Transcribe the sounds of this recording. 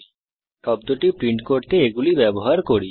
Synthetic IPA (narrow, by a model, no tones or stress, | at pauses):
ʈɔb̚d̪oʈipɾiɳʈkoɖt̪eeɡulibɛboɦaɾkoɾi